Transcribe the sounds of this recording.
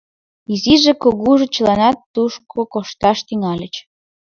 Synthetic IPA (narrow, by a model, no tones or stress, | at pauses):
iziʒekoɣuʒet͡ɕəlɑnɑt̪ːuʃkʰokoʃt̪ɑʃt̪yŋɑlʲət͡ɕ